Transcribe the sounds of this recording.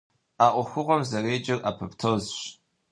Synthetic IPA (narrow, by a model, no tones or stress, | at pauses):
aʔʷʼʊxʷʊʁʷɔmzareːd͡ʒɪrapʰɨptʰozʃtʼ